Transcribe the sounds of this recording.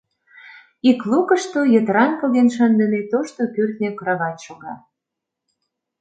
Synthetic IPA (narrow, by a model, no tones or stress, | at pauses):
iklukəʃt̪ojət̪ɾɑŋkɤɣenʃɑnd̪ə̆net̪oʃt̪opørt̪nʲekɾɑɣɑt̪ʃoɣɑ